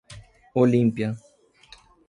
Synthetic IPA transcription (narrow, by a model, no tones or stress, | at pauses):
olimpja